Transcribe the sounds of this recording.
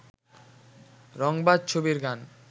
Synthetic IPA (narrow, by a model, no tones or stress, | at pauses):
ɾɔŋbad̪̚t͡ɕʰobiɾɡan